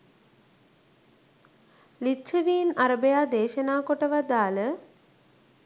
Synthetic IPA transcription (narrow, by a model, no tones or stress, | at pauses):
lit͡ʃʰəʋiːnaɾəbejaːd̪eːʃənaːkoʈəʋad̪aːlə